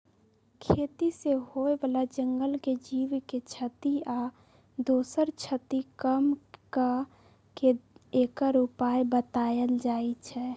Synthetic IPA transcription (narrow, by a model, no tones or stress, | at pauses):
kʰeːt̪isehoebalad͡ʒəŋɡəlked͡ʒiʋket͡ʃʰət̪ia | d̪oːsəɾt͡ʃʰət̪ikəmka | keekəɾupajbət̪ajəld͡ʒaːet͡ʃʰɛ